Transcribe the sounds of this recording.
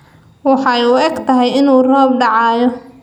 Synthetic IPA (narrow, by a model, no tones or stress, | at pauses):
wɑħɑjuːɛɡt̪ʰɐɦɛjɪnuːrɔːbɖɑʕɑːjɔ